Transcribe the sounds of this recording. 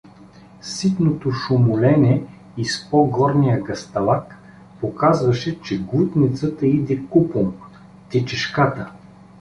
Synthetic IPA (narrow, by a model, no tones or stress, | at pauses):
sit̪not̪oʃʊmʊlɛnɛ | ispɔɡɔɾnijəɡɐst̪ɐlˠak | pokazvəʃɛt͡ʃɛɡlˠut̪nit̪sət̪əid̪ɛkupom | t̪ɛt͡ʃɛʃkat̪ə